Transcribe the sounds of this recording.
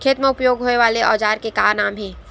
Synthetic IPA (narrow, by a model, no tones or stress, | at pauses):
kʰeːt̪meʊpjoːɡɦoːeʋaːleʔɔːd͡ʒaːɾkekaːɾnaːmɦɛ̃ː